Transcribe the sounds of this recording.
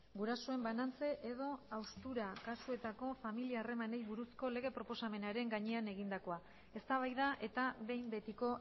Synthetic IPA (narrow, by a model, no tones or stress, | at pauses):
ɡuɾaso̞e̞mbanant͡se̞ʔeðo̞awst̪uɾakasue̞t̪ako̞familiaːre̞mane̞jβuɾusko̞le̞ɣ̞e̞pɾo̞po̞same̞naɾe̞ŋɡaɲe̞ane̞ɣ̞ind̪ako̞a | e̞st̪aβ̞ajðaʔe̞t̪aβe̞jmbe̞t̪iko̞